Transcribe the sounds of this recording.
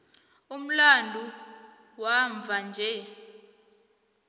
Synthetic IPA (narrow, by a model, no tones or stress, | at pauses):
um̩landʱu | waɱvʱand͡ʒʱɛ